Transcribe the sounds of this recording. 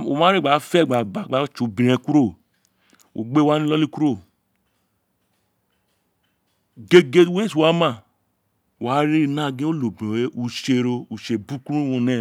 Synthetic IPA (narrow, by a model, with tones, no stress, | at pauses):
o̰˨mã˦ɾi˦ɡ͡ba˨˦fɛ˦˨ɡ͡ba˨ɡ͡ba˨ɡ͡ba˨˦t͡ʃu˨bĩ˨ɾɛ̃˧ku˦ɾo˦˨ | o̰˨ɡ͡be˦wa˦nĩ˦lɔ˦li˦ku˦ɾo˦˨ | ɡe˦ɡe˦we˦swa˨˦mã˦˨ | wa˨˦ɾi˦˨nã˦˨ɡĩ˦o˦lo˨be˦u˨ʃe˧˨ɾo˧u˨ʃe˨bu˦ku˦ɾu˦wõ˧nɛ˦˨